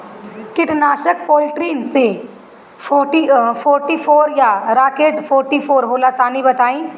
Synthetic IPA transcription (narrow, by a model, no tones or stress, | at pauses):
kɪʈʰnaːʃəkpoːlʈɾiːnse | foʈifʰoːɾʈiːfʰoːɾjaɾaːkeːʈfʰoːɾʈifʰoːɾɦoːlat̪aːnibɐt̪aːĩː